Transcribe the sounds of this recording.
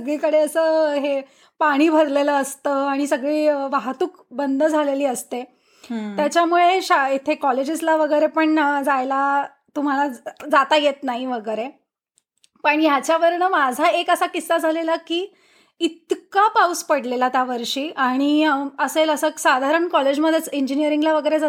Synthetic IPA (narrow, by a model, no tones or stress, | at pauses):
səɡɭikəɽeəsəːɦe | paɽ̃iːbʱəɾleləːst̪əaɽ̃isəɡɭiːʋaɦt̪uːk | bənd̪ʱəd͡zʱaleliːəst̪e | jat͡ɕjamuɭeɕait̪ʰekɔled͡ʑislaʋəɡəjɾepəɳd͡zajla | t̪um̤alad͡zat̪ajet̪naɦiʋəɡəjɾe | pəɳjat͡ɕjaʋəɾɳəmad͡zʱaekəsakisːad͡zʱalelakiː | it̪kapauspəɽ̤lelat̪jaʋəɾʂiːʔaɽ̃iəseləsəksad̪ʱaɾəɳkɔled͡ʑməd̪ʱːjet͡siɲd͡ʑinijəɾiŋɡlaʋəɡəjɾed͡za